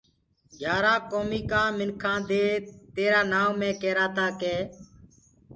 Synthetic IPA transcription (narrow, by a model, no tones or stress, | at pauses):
ɡʱjaːɾaːkoːmiːkãːmɪnkʰãːd̪eːt̪eːɾaːnãːmːẽːkeːɾaːt̪aːkeː